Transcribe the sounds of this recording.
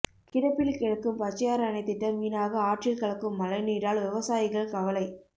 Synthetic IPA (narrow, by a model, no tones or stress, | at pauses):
kɪɽɐpːɪlkɪɽɐkːɯmpɐt͡ʃːɐjaːɾɐnɐɪt̪ːɪʈːɐɾʋiːnaːɣɐaːʈrɪlkɐɭɐkːɯmːɐlɐɪniːɾaːlʋɪʋɐsaːjɪɣɐɭkɐʋɐlɐɪ